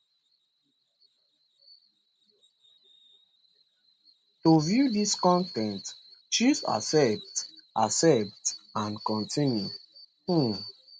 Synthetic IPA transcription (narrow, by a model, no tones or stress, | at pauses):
tovjudiskɔ̃ntɛ̃ntʃisa̰sɛp̚tʔasɛp̚tãnkɔ̃ntʰĩnju | h̩